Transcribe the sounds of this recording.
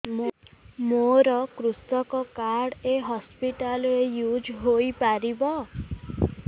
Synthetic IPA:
moɾɔkɾusɔkɔkaɾɽeɦɔspiʈalɾejud͡ʒɦojpaɾibɔ

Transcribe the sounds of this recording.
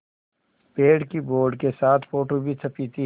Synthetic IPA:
peːɽkiboːɾɖkesaːt̪ʰfoːʈobʱit͡sʰɐpiːt̪i

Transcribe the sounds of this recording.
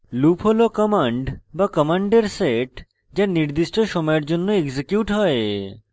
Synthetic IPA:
lupʰɦolokɔmaɳɖbakɔmaɳɖeɾseʈ | d͡ʑaɾniɾd̪iʃʈoʃɔmɔjeɾd͡ʑonːoeɡsekjuʈɦɔe

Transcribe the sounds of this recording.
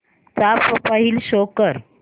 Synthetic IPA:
t͡sapɔpaɦiːlɕokəɾ

